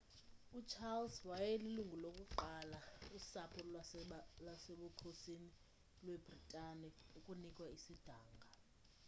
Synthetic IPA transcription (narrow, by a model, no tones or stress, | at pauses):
ut͡ʃʰalswajeliluŋɡʱulokʼuǃalausapʰu | lwaseɓuǃʰusini | lweb̥ʱritʼanɛukʼunikʼwaisid̥ʱaːŋɡʱa